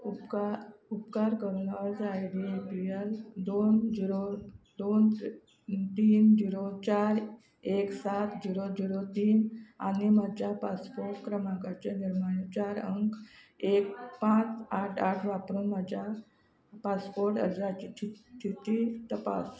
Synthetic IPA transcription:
upkaupkaɾkəɾunəsajɾiepijeld̪ond͡ʑiɾod̪ont̪ | t̪iːnd͡ʑiɾot͡ɕaɾ | eksat̪d͡ʑiɾod͡ʑiɾot̪iːna̰ɽ̃iməd͡ʑjapaspoɾʈkɾəmãkat͡ɕeniɾmaɳit͡ɕaɾəŋkek̚pãt͡saʈʰaʈʰʋapɾõməd͡ʑa | paspoɾʈə̰d͡ʑaɾt͡ɕitʰitʰit̪it̪əpa̰s

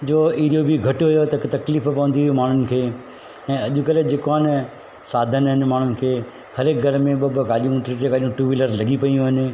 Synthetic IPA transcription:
d͡ʒoːiːɾijobʱiɡʱɐʈɦʊjot̪ɐkt̪ɐkliːfpɐʋə̃nd̪iɦomaːɳ̤ʊnɪ̆kʰeː | ɛ̃ːɐʄũkɐɾed͡ʒeːkaːn | saːd̪ʱənɦənmaːɳ̤ʊnɪ̆kʰeː | hɐɾek̚ɡʱɐɾmẽɓɐbəkaːlijũʈɾɪʈekaːɗiũʈuːʋiləɾlɐɠipɐiũɦənɪ̆

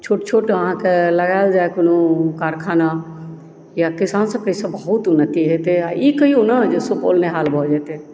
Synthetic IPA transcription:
t͡ʃʰoʈt͡ʃʰoʈəɦãkeləɡaɪld͡ʒaekonokaɾkʰana | jakisansə̃keisə̃bəɦut̪unət̪iɦet̪eaikəɦionəd͡ʒesopo̰lneɦalbʱɔd͡ʒat̪e

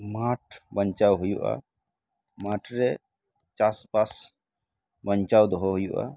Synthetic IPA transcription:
maʈ̚bəɲt͡ʃawɦujuʔa̰ | maʈʰɾɛ | t͡ʃaspas | bəɲt͡ʃawd̪ɔɦɔɦujṵʔa̰

